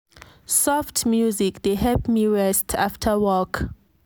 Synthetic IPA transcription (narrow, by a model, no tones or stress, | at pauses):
sɔftʰmjuzikdeɦɛpmiɹɛstʰaftʰəwɔk